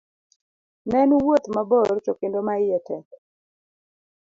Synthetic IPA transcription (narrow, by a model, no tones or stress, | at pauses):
nɛnuwot̪mabɔrt͡ʃɔkɪndɔmaɪjɛtɛk